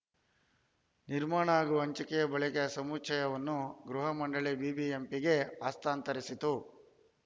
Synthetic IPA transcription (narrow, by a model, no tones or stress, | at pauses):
niɾmaːɳɐaːɡuɐɲt͡ʃikɛjɐbɐɭikɐsɐmut͡ʃʰɐjɐʋɐnːuɡɾuɦɐmɐɳɖɐɭibiːbiempiɡe̞aːst̪aːnt̪ɐɾisit̪u